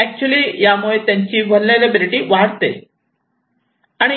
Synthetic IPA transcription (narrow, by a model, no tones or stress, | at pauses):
ɛk̚t͡ɕuəlijamuɭet̪jaɲt͡ɕiːʋʱənlalebiliʈiːʋaɽt̪e | aɽ̃i